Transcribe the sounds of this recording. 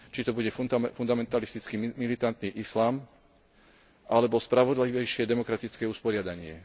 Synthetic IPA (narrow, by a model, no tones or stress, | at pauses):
t͡ʃit̪ɔbuɟɛfund̪amɛnt̪alist̪it͡skimmilit̪ant̪niːʔislaːm | ʔalɛbɔspɾaʋɔd̪liʋɛjʃɪɛd̪ɛmɔkɾat̪it͡skɛːuspɔɾɪad̪aɲɪɛ